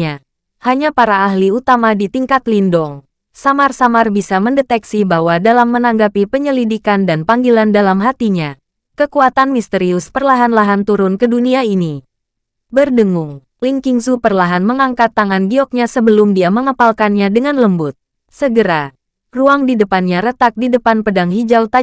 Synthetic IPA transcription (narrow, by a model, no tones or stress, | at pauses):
a | haɲapaɾaːɦliut̪amadit̪iŋkat̪lindɔŋ | samarsamarbisaməndɛt̪ɛksibahwadalamːənaŋɡapipəɲəlidikandanpaŋɡilandalamɦat̪iɲa | kəkuat̪anmist̪əɾiʊspərlaɦanlaɦant̪uɾʊnkəduniaini | bərdəŋʊŋ | liŋkiŋsupərlaɦanməŋaŋkat̪ːaŋanɡiɔk̚ɲasəbəlʊmdiaməŋəpalkanɲadəŋanləmbʊt̪̚ | səɡəɾa | ruaŋdidəpanɲaɾət̪ak̚didəpanpədaŋɦid͡ʒawt̪a